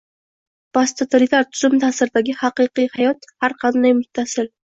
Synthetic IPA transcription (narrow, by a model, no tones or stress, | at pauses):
b̥ast̪ʰot̪ʰoɾit̪ʰaɾt̪ʰʊzʊmt̪ʰasɪɾɪd̪aɡʲɪhɑqɨqɨjhajɒt̪haɾqʰɑnd̪ajmʊt̪ʰːasɪl